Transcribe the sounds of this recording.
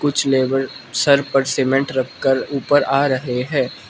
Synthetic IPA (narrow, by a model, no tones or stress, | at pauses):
kʊt͡ʃʰleːbəɾsɐɾpəɾseːmɛ̃ɳʈɾɐkʰːəɾuːpəɾaːɾɐɦeɦɛ̃ː